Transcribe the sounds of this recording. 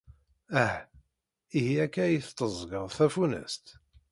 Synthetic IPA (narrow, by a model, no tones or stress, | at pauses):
æh | ihiækːæjiθt̪ːəzˤɡəðˤθæfunæ̰st̪